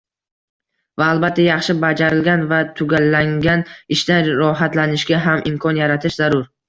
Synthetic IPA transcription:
vaːlˠbat̪ʰːajɑχʃɪbad͡ʒaɾɪlɡʲanvat̪ʰʊɡʲalːaŋɡʲanɪʃt̪anɾɒɦat̪lanɪʃɡʲaɦamʔɪmkʰɒnjaɾat̪ʰɪʃzaɾʊɾ

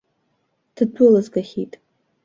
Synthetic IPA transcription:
d̥ɨdʷulazɡaχʲitʼ

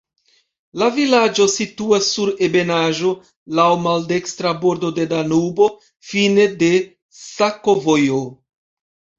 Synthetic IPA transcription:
lavilad͡ʒo̞situasːuɾe̞be̞naʒo̞ | lawmalde̞kstɾabo̞ɾdo̞de̞danubo̞ | fine̞de̞ | sako̞vojo

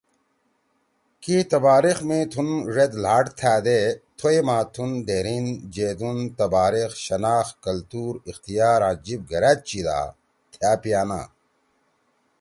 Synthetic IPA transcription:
kit̪ɐbaːɾixmĩt̪ʰunʐed̪laːʈt̪ʰæːd̪et̪ʰojmãːt̪ʰund̪eːɾiːnd͡ʑeːd̪unt̪ɐbaːɾixɕɐnaːxkɐlt̪uːɾixt̪ijaːɾãːd͡ʑib̚ɡɐɾaːt̪̚t͡ɕid̪a̰ː | t̪ʰjaːpijaːna̰ː

